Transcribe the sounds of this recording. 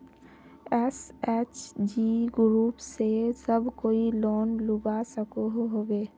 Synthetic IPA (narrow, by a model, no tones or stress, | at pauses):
ɛsɛːt͡ʃd͡ʒiːɡɾuːpsesəbʱkoːiloːnlʊbasəkoɦoɦoːɡeː